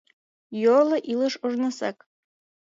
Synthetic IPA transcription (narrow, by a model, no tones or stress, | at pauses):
jolɤ̆ʔilə̆ʃuʒnɑ̆sæk